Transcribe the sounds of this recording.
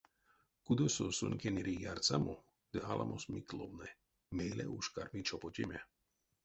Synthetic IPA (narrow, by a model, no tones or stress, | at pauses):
kud̪ososṵnʲkʲeniɾijart͡samo | d̪̥ɨalʔa̰mʔosmiklownɛ | melɛ̰ʔuʃkaɾmit͡ʃɔpotʲemʲa